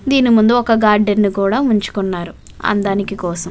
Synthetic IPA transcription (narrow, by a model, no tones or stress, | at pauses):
d̪iːnimund̪uɔkɐɡaːɾɖenːikuːɽaːuɲt͡ʃu̥kɔnːaːɾu | ɐ̰nd̪aːnikikɔːsɐm